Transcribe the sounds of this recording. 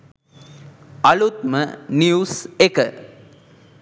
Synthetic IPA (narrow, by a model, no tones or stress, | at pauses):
ɐlut̪məniusekə